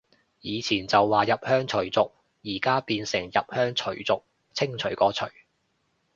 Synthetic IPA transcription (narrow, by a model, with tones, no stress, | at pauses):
jiː˨˧t͡sʰiː˨˩nt͡sɐ˨wːaː˨jɐ˨p̚hœː˥ŋt͡ʃʰɵ˨˩ɥt͡sʊ˨k̚ | jiː˨˩kaː˥piː˧nsɪ˨˩ŋjɐ˨p̚hœː˥ŋt͡ʃʰɵ˨˩ɥt͡sʊ˨k̚ | t͡sʰɪ˥ŋt͡ʃʰɵ˨˩ɥkɔː˨˥t͡ʃʰɵ˨˩ɥ